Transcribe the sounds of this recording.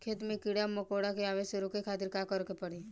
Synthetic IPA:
kʰeːt̪mẽkɪɽaməkoːɽakeaːʋeːʃeɾokekʰaːt̪ɪɾkakəɾkepəɽe

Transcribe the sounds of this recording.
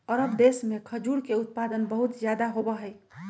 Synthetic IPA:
əɾəb̚d̪esmekʰəd͡ʒuɽkeut̪̚pad̪ənbəɦut̪zjad̪aɦobəɦəɪ

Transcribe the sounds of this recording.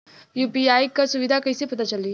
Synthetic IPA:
jupiajkasuʋid̪ʱakəjsepət̪at͡saliː

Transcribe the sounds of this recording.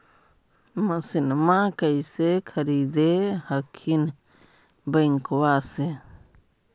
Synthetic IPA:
masinmãkajsekʰaɾid̪ehakʰin | baiŋkowase

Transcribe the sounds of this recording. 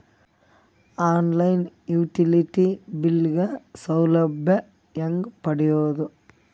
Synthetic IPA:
aːnlɐjnjuːʈiliʈibilɡɐsɐwlɐbʱjɐ | jɐŋɡpɐɽɪjoːðu

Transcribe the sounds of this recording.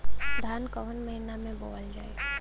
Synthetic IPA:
d̪ʱaːnkəʋənməɦinamẽboːld͡ʒaːe

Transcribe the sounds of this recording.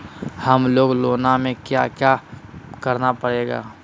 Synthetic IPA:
həmloːɡloːnamẽkjakjakəɾnapəɽeːɡa̰ː

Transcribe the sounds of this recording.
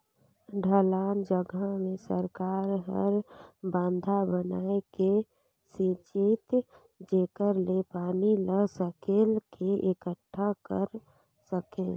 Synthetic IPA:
ɖʱəlaːnd͡ʒəɡamẽsə̰ɾkaːɾɦə̰ɾbãːnd̪ʱabənaːeke | sit͡ʃit̪ | d͡ʒeːkəɾlepaːniləsəkelkeʔekəʈʰːakəɾ | səke

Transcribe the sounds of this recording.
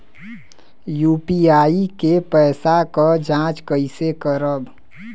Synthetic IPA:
juːpiaːikepɛːsakad͡ʒãːt͡ʃkəɪsekəɾəb

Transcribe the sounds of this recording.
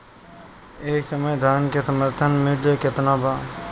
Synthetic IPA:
eːksɐməjd̪ʱaːnkesɐməɾt̪ʰənmɪɖeket̪naːbaː

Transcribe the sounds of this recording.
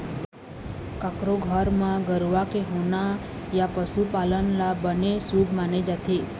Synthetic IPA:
kakɾoɡʱəɾmãɡəɾʋakeɦona | japəsupalənlabənesuɡmaned͡ʒat̪ʰe

